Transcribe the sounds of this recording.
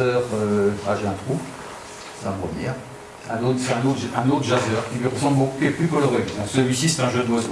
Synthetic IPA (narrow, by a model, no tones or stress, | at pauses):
œːʁøfʁaʒeɛ̃t̪χu | ãbʁəmjɛːʁ | ɛ̃not̪χsɛt̪ɛ̃not̪ʒɛ̃not̪χʒazœʁkʲilɥiʁəsɑ̃bokukeɛplykɔlɔʁed̪ɔ̃ksəlɥisisɛ̥t̪ɛ̃ʒəd̪ɔ